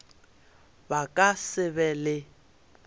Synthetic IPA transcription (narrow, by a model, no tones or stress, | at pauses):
bakʼasɪbɛlɪ